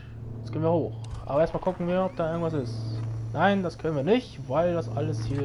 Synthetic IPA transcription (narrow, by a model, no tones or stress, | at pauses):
asɡ̥eːnviːɐhoːxʔa̰ːbɐeːɐstmalkʊkŋ̩viːɐɔp̚d̥aːɪɐɡŋ̩tv̥asɪstnaɪndaskʰœnənviːɐnɪçtv̥aɪldasʔa̰ləshiː